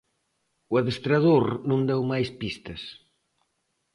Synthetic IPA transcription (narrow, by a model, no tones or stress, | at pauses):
uaðest̪ɾaðoɾnõnd̪ɛwmajspist̪ɐs